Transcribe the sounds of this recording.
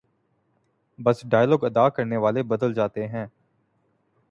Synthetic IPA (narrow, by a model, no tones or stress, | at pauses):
bəsɖaːjlɔːɡəd̪aːkəɾneːʋaːlebəd̪əld͡ʒaːt̪eɦɛ̃ː